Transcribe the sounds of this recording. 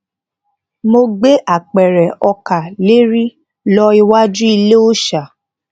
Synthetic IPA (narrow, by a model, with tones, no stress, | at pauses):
mo˧ɡ͡be˦ʔa˦˨k͡pɛ˨ɾɛ˨ɔ˧ka˨le˦ɾi˦ | lɔ˧i˧wa˦dɾi˦i˧le˦o˦ʃa˨